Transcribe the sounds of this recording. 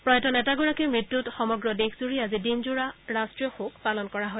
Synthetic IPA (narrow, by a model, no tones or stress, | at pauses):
pɹɔjɛtɔnɛtaɡʊɹakɛmɹitːutxɔmɔɡɹɔdexʰzuɹiazidinzuɹaɹastɹiɔxokʰpalɔnkɔɹaɦɔj